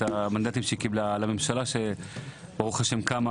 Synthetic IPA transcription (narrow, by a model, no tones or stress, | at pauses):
amand̪at̪imʃeikiblalame̞mʃalaʃe | b̥aʁuχaʃemkama